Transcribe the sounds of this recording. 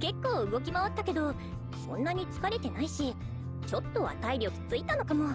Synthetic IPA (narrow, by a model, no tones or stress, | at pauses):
ke̞kːo̞ːɯ̟ɡo̞kʲimaβat̪ːake̞d̪o̞ | sõ̞̰nːaɲ̟it͡sɨ̥kaɾe̞t̪e̞naiɕi | t͡ɕo̞t̪ːo̞a̰t̪aiɾʲjo̞ki̥t͡sɨit̪ano̞kamo̞